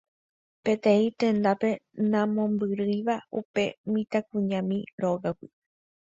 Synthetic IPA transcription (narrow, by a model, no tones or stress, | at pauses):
pe̞t̪ẽ̞ĩt̪ẽ̞nd̪ape̞nãmõ̞mbɨɾɨjʋaupe̞mĩt̪ak̚ũɲãmĩɾoɡawi